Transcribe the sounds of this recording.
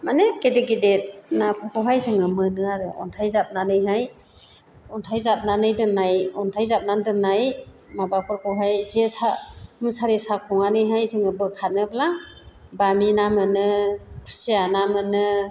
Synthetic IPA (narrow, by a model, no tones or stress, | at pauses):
manekedeɡidet̚napʰɔpɔwɦajzɯŋɯmɯnɯaɾɯɔ̰ntʰajzap̚nanɯjɦaj | ɔntʰajzap̚nanɯjdɯnːajɔntʰajzap̚nandɯnːaj | mabakʰɔɾkɔwɦajzesamusaɾesakʰɔŋanɯjɦajzɯŋɯbɯkʰanɯbla | baminamɯnɯkʰu̥sianamɯnɯ